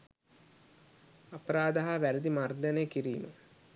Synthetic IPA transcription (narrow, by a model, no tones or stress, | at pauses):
apɐɾaːd̪ɐɦaʋæɾid̪imard̪anejkiɾiːmə